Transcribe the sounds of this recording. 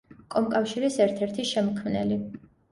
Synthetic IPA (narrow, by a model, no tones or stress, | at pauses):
kʼɔmkʼafʃiɾisɛɾt̪ʰɛɾt̪ʰiʃɛmkʰmnɛli